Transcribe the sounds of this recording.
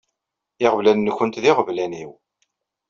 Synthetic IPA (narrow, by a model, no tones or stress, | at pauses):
ɪʁəvlænːəçənt̪ðɪʁəvlæniw